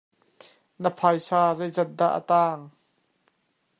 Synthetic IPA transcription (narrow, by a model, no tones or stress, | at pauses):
nəpʰajsaːzejzɛt̪̚d̪a̰ʔːə̰t̪aːŋ